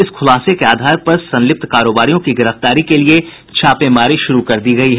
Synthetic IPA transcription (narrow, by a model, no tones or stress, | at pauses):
ɪsxʰʊlaːsekeaːd̪ʱaːɾpɐɾsɐ̃nlɪp̚t̪ʰkaːɾoːbaːɾijõkiɡɪɾəft̪aːɾikelie | t͡ʃʰaːpemaːɾiʃʊɾukɐɾd̪iɡɐiɦɛ